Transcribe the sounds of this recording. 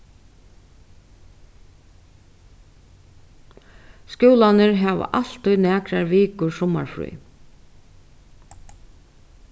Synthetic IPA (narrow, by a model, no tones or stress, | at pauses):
skjuwlanɪɾɦɛːʋ̰ʔal̥t̪ɔjnæːkɾaɾʋiːkʊɹsɔma̰ɹfɾṵː